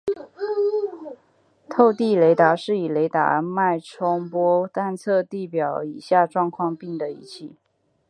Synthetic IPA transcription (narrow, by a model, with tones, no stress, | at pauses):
t̪ʰo˥˧ʊt̪i˥˩le˧˥ɪt̪a˧˥ʂɻ̩˥˩i˨˩le˧˥ɪt̪a̰˧˥ma˥˩ɪʈ͡ʂʰɔ˥ŋpwɔ˥t̪a˥˧nt͡sʰɤ˥˧t̪i˥˩pjɑ˨˩˦ʊi˨˩ɕja˥˧ʈ͡ʂwɑ˥˧ŋkʰwɑ˥˧ŋpi˥˩ŋd̪ə˩i˧˥t͡ɕʰi˥˩